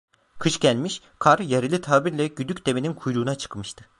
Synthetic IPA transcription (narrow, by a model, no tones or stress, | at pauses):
kʰɯʃɟælʲmiʃ | kʰaɾjeɾilʲit̪ʰaːbiɾlʲɛɟyd̪ycʲd̪e̞meninkʰujɾuːnat͡ʃʰɯ̥kmɯʃt̪ʰɯ̥